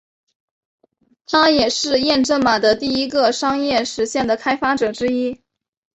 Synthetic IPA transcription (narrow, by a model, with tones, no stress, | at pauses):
t̪ʰa˥jɛ˨˩ʂɻ̩˥˧jɛ˥˧nʈ͡ʂə˥˩ŋma˨˩d̪ə˧˦t̪i˥˩i˥ɡə˧ʂɑ˥ŋjɛ˥˩ʂɻ̩˧˥ɕjɛ˥˩nd̪ə˩kʰa˥ɪfa˥ʈ͡ʂɤ˨˩ʈ͡ʂɻ̩˥i˥